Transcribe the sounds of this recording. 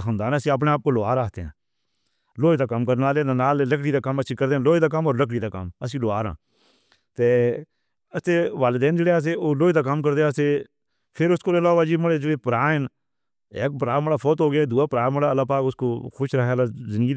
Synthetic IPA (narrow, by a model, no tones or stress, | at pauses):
ɦə̃nd̪aːnəsĩːəp̬neːaːp̚koːloa̰ːɾaːt̪eːã̰ː | loːiːd̪aːkəmkəɾnaːleːd̪aːnaːleləkɽiːd̪aːkəməʃʰiːkəɾd̪eːãːloːiːd̪aːk̬əmoːɾləkɽiːd̪aːkə̰məs̬ĩːloːaːɾã̰ː | t̪eː | əst̪eːʋaːlɪd̪ɛːnd͡ʒeːɽeːaːs̬eːoːloːiːd̪aːk̬əmkəɾd̪eːaːseː | pʰɪɾʊskoːlelaːʋaːd͡ʒiːməɽeːd͡ʒeɽeːpəɾaːɦɪn | ḛːk̚pəɾaːməɽaːpʰoːt̪ɦoːɡɪjaːd̪uːaːpəɾaːməɽaːəlːaːpaːkʊskoːxʊʃɾaɦeəlaːzɪnd̪ɡiː